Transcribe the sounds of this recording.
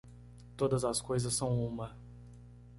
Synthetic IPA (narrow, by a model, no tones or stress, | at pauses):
t̪od̪ɐzɐskojzɐsːɐ̃w̃ũmɐ